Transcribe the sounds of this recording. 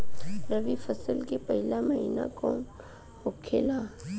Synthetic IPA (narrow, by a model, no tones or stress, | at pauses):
ɾɐʋifɐsəlkepɐɦɪlamɐɦḭːna̰kõ̰ | okʰelaː